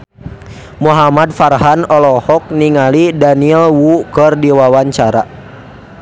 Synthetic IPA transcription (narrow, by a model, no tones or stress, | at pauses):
muɦamadfarɦanɔlɔhɔk̚niŋalidaniɛlwukərdiwawaɲt͡ʃaɾa̰